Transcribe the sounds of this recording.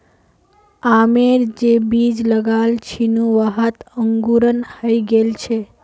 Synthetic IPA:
ameɾd͡ʒebid͡ʒləɡalt͡ʃʰinũʋəɦət̪əŋɡuɾənhəjɡelt͡ʃʰe

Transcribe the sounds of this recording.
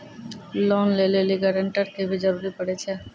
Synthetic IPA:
lɔnleleliɡaɾaɳʈaɾkʰebed͡ʑɔɾuɾipoɽet͡ɕʰe

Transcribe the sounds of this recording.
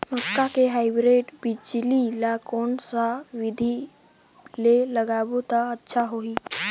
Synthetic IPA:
məkːakeɦajbɾeʈbid͡ʒlilakoːnsaʋid̪ʱi | leləɡabot̪aətːʃʰaɦoiː

